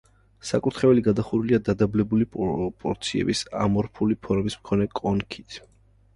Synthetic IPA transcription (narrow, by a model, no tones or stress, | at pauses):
sa̰kʼuɾt̪ʰχɛɛliɡad̪aχuɾuliad̪ad̪ablɛbulipʼɔpʼɔɾt̪sʰiɛ̰bisa̰mɔɾpʰulipʰɔɾmismkʰɔnɛkʼɔnkʰit̪ʰ